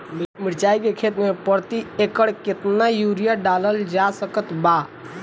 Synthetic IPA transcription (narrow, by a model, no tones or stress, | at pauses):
mimiɽt͡ʃaikekʰet̪mepəɾt̪iekəɽket̪najuɾijaɖaləld͡ʒasəkət̪ba